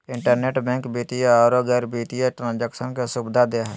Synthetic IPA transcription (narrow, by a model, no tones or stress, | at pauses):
ɪ̃ɳʈəɾneːʈbɛ̃ːŋkbiːt̪ijaɔːɾoɡɛːɾbiːt̪ijeʈɾãːnd͡ʒɛːkʃənkesʊbd̪ʱad̪eaɦɛː